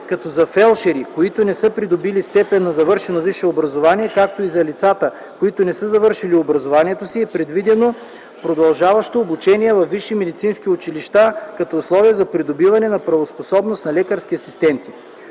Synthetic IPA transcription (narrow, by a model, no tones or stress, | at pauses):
kɐt̪ɔzɐfɛlˠʃɛɾikoit̪onɛsɤpɾid̪obilist̪ɛpɛnːɐzɐvɤɾʃɛnoviʃɛobɾɐzovaniɛkak̚t̪oizɐlit̪sat̪ə | koit̪onɛsəzɐvɤɾʃiliobɾɐzovaniɛt̪osiɛpɾɛd̪vid̪ɛno | pɾod̪ɐlˠʒavɐʃt̪oːbut͡ʃɛniɛvɐfːiʃimɛd̪it̪sinsk̟iʊt͡ʃiliʃt̪akɐt̪ɔːslˠɔvijɛzɐpɾid̪obivɐnɛnɐpɾɐvosposɔbnost̪nɐlɛkɐɾsk̟ʲiɐsi̥st̪ɛnt̪i̥